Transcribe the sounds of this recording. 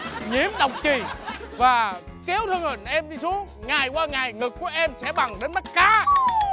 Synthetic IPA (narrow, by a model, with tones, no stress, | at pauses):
ɲḭ˧˦əmɗə˨˩wŋ͡m̚t͡ɕi˨˩vaː˨˩ | kɛ˨˦wt̪ʰɨ˧ŋhɨ˨˩nʔɛ˧mɗi˧su˨˦əŋŋa˨˩jkwaː˧ŋa˨˩jŋɨ˨˩k̚ːu˨˧˩əʔɛ˧msɛ̰˧˥ɓa˨˩ŋɗe˨˦nma˦˥t̚kaː˨˦